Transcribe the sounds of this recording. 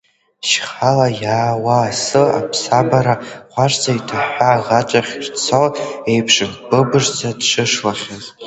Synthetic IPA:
ʃχalajaːwaːsɨa̰pʰsabaɾaqʷaʂd͡zaitʰaħʷᶣaʁat͡ʃʼaχʲrt͡sʰowe̞jpʰʂɨnbɨbɨʐd͡zadʂɨʂlaχʲaz

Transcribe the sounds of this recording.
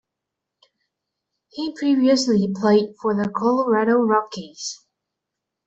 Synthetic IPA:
hipʰɹ̥iviɨslipʰl̥eɪd̥fə˞ðəkʰɔlˠəɹaɾoʊɹɑkʰiz̥

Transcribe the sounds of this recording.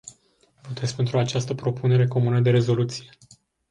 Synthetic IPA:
vot̪et̪sʲpe̞nt̪ɾuat͡ʃast̪əpɾo̞pune̞ɾe̞ko̞munəd̪e̞ɾe̞zo̞lut̪sije̞

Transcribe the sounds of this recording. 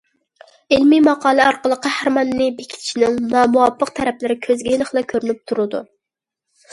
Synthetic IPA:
ɪlmimɑqʰɑːlˠɨɑɾqəlˠəqæhæɾmɑnɨːɪbekʲʰit̪ʰt͡ʃʰinɪŋnɑːmuwɑpːəq̚t̪ʰɛɾɛplɪɾɪkʲʰøzɡʲɛjiləχlˠɑkʲʰøɾynyp̚t̪ʰuɾɨd̪ṵ

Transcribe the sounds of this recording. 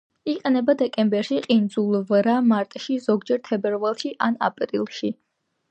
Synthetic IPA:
iqʼɛnɛbad̪ɛkʼɛmbɛɾʃiqʼind̪zulˠvɾamaɾt̪ʼʃizɔɡd͡ʒɛɾt̪ʰɛbɛɾvalˠʃiʔana̰pʼɾilˠʃi

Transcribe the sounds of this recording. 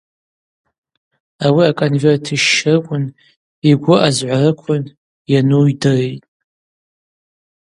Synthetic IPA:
awiakʼonvertʰiʃɪrkʷʼʊn | iɡʷʊʔazʕʷarɨkʷʰʊn | janujdɨrejtʼ

